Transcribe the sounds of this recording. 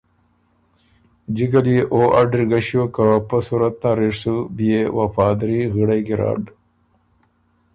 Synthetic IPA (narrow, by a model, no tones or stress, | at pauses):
d͡ʑikɐliʔoːʔaɖɾɡɐɕjokapəsuɾɐt̪̚nãɾeʂsubijewɐfaːd̪ɾiɣiɽɐjɡiɾa̰ːɖ